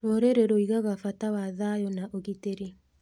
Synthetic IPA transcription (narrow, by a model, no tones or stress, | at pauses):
woɾeɾeɾɔiɣaɣafatawaðajɔnaʔoɣiteɾe